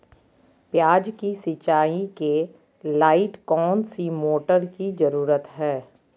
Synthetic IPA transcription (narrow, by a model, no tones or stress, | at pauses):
pjaːd͡ʒkisɪt͡ʃaːĩke | laːɪʈkɔːnsimoːʈəɾkizɐɾuːɾət̪ɦɛː